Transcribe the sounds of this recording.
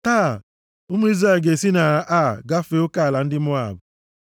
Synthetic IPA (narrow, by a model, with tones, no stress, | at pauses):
taː˦˨ | ʊ˦mʊ˦i˦zɾa˦˨ɡe˨si˦na˨ʔa˦˨ɡa˦fe˦ʊ˦ka˦˨la˨n̩˦dɪ˦mʊ˦a̰˨bʊ˨